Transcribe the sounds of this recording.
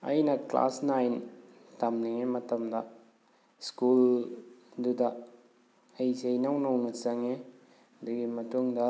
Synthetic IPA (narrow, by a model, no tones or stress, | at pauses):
ɐ̰jnɐkla̰snajn | tɐmniŋemɐtɐmdɐ | skul | dudɐ | ɐjsejnawnɐwnɐt͡ʃɐŋe | ɐd̪uɡimɐtuŋdɐ